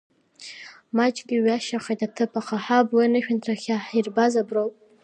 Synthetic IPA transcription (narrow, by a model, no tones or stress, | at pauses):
mat͡ʃʼɡʲɪɥaʃaχajtatʰɨpʰaqʰaħabwianɨʃᶣɪntʰraχʲaħirbazabrowpʼ